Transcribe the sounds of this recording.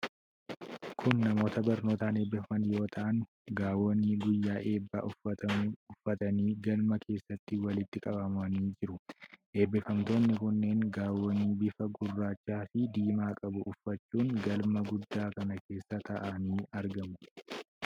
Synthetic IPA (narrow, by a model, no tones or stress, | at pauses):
kʰʊnːɐmo̞ːt̪ɐbɐɾno̞ːt̪aːne̞ːbːɛfɐnjo̞ːt̪ʰɐʔɐn | ɡaːwonːɪɡʊjːaːʔe̞ːbːaʊɐʊfːɐt̪ɐniːɡɐlmɐkʰe̞ːsːɐt̪ːɪwɐlɪt̪ːɪkʼɐbɐmɐniːd͡ʒɪɾʊʔe̞ːbːɪfɐmt̪o̞ːnːɪkʊnːe̞ːŋɡaːwonːiːbɪfɐɡʊrːaːt͡ʃːaːfɪd̪iːmaːkʼɐbʊʔʊfːɐt͡ʃːuːŋɡɐlmɐɡʊd̪ːaːkɐnɐke̞ːsːɐt̪ɐʔɐniːɐɾɡɐmʊ